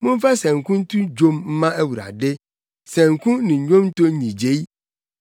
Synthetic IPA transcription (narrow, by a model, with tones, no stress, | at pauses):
mʊ̃˦n̩˦fa˦sɛ̃˨ŋ̩˨kũ˦n˦tũ˦d͡ʒo˦mm̩˦mã˦æ˦wu˨ɾa̰˨dɪ˦ | sɛ̃˨ŋ̩˨kʰũ˦nɪ̃˨ɲᶣõ˦m˦to˦ɲĩ˨d͡ʑe˦i˦